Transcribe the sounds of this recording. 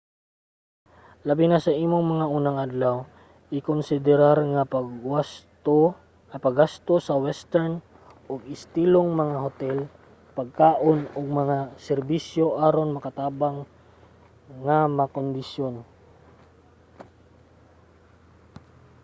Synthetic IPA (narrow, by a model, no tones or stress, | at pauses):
lɐbɪnasɐʔiːmoŋmɐŋaʔuːnaŋʔad̪law | ʔɪkonsɪd̪ɛɾaɾŋɐpaɡas | pɐɡast̪osɐwɛst̪ɛɹn | ʔoɡɪst̪iːloŋmɐŋaɦot̪ɛl | pɐɡ̚kaːʔonoɡ̚mɐŋasɛɾbisjo̞ʔaːɾonmɐkɐt̪aːbaŋ | amakond̪ɪʃjon